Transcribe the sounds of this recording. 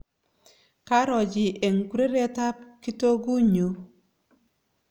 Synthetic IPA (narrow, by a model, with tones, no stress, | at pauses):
ka˦ɾɔ˨d͡ʒɪ˨ʔe˨ŋ˨ku˦ɾe˦ɾe˦ta˦p̚ki˦to˦ɡu˦ɲo˨˦